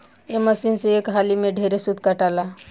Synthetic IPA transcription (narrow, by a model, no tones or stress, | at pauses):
eməsinseekɦalimeɖʱeɾesud̪kaʈala